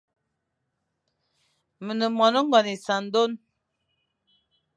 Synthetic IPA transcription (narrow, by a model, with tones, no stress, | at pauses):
mə˨nə˨mɔ˨nɔ˦ŋ˦ɡɔ˨ni˨sa˨n˦do˦n